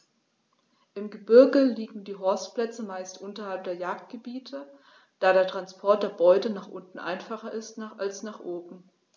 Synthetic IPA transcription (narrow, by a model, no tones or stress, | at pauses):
ʔɪmɡəbɪɐɡəliːɡŋ̩diːɦɔɐstplɛt͡səmaɪstʔʊntɐhalp̚d̥eːɐjaːk̚t̚ɡ̥əbiːtʰə | d̥aːɾeːɐtʁ̥anspʰɔɐt̚d̥eːɐbɔʏtənaːχʔʊntn̩ʔa̰ɪnfaχɐʔɪstnaʔalsnaːχʔoːbm̩